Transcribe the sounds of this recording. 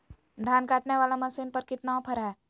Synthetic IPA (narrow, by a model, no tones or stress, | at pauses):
d̪ʱjaːnkaːʈneʋaːlamɐsiːnpɐɾkɪt̪naopʰəɾɦɛː